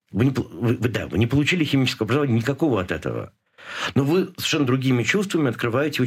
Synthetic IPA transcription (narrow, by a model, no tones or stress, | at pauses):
vɨnʲɪpvɨvɨd̪a̰vɨ̰nʲɪpəlˠʊt͡ɕilʲɪxʲɪmʲit͡ɕɪskəvəɐbɾəzɐvanʲːnʲɪkɐko̞vəɐt̪ɛt̪ə̰və̰ | novɨsə̥v̥ʲɪ̥ʂɛnːəd̪ɾʊɡʲimʲɪt͡ɕust̪vəmʲɪɐt̪̚kɾɨvajɪtʲɪo